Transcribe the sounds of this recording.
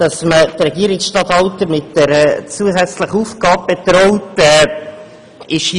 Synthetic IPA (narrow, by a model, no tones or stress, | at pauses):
d̥ɑsmətrɛɡiːəɾɪksʃtɑt̪hɑltəmɪt̚d̥ɛɾət͡suəsɛt͡sləχuːfɡ̥ɑːb̚b̥et̪ɾɔʊtɛ | ɪʃ